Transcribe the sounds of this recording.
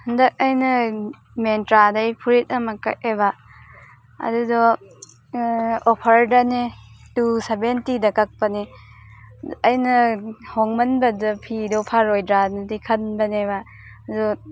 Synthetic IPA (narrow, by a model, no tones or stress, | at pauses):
hɯndɐk̚ɐjnɐ | mentɾadɐjpʰuɾit̚ɐmɐkɐ̰k̚eba | ɐ̰dudɔ | opʰɐɾdɐnetusebentidɐkɐk̚pɐne | ɐjnɐhɔŋmɐnbɐdɐpʰidɔpʰaɾojdɾanɐdikʰɐnbɐneba | dɔ